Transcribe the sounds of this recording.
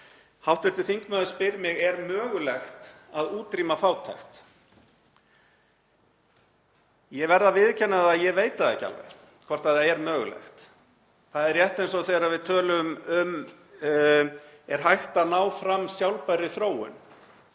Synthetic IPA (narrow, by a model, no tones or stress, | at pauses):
hawht̪vɪɾ̥t̪ʏθiŋkmœːðʏspɪɾmɪɣɛɾmœːɣʏlɛxt̪ | aðuːt̪ɾiːmafaːwt̪ʰa̰jxt̪ | jɛɣvɛɾðavɪːðcʰɛnːaðaðjɛveːjt̪aðɛ̰ca̰lvɛ̰̥ | kʰvɔr̥t̪aðθaɛɾmœːɣʏ̰lɛ̰xt̪ | θaðɛɾjɛht̪ejnsɔθejɾavɪðt̪ʰœːlʏmʏm | ɛɾ̥ɦajxt̪anaːwfɾamːsjawlpaɾɪθɾoːwʏ̰n